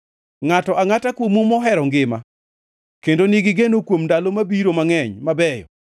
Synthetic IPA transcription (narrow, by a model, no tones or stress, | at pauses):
ŋatɔʔaŋatakwomumɔɦɛɾɔŋɡɪma | kendonɪɡɪɡenokwomndalomabiɾomaŋɛɲmabɛjɔ̰